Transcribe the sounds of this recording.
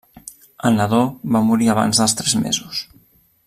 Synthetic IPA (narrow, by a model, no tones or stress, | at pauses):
ənəðoβamuɾiəβ̞a̰nzðəlˠst̪ɾɛzmḛzus